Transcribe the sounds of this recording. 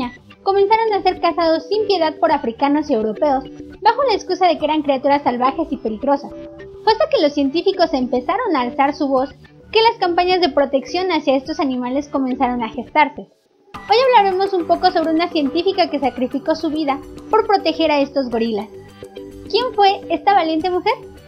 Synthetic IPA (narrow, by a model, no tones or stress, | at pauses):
a | ko̞mẽ̞nsaɾo̞nase̞ɾkasað̞o̞sːimpje̞ðað̚po̞ɾafɾikano̞sie̞wɾo̞pe̞o̞sbaxo̞laeskusað̞e̞kee̞ɾaŋkɾeat̪uɾasalβaxe̞sipe̞liɣɾo̞sas | xwest̪ake̞lo̞sːje̞nt̪ifiko̞se̞mpe̞saɾo̞naːlsaɾsuβo̞s | ke̞laskampaɲazðe̞pɾo̞t̪e̞ksjo̞nasjae̞st̪o̞sanĩmale̞sko̞mẽ̞nsaɾo̞naxe̞st̪aɾse̞ | o̞jaβlaɾe̞mo̞sumpo̞ko̞so̞β̞ɾeunasje̞nt̪ifikake̞sakɾifiko̞suβiðapo̞ɾpɾo̞t̪e̞xe̞ɾae̞st̪o̞zɣo̞ɾilas | kje̞ɱfwe̞e̞st̪aβalje̞nt̪e̞muxe̞ɾ